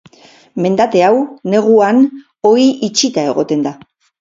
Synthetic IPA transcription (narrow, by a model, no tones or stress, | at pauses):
me̞nd̪at̪e̞awne̞ɣ̞uan | o̞iʔit͡ʃit̪ae̞ɣo̞t̪e̞nd̪a